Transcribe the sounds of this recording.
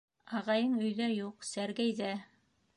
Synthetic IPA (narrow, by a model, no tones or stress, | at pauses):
ɑʁɑjɤɴɵ̆jðæjuqsæɾɡæjðæ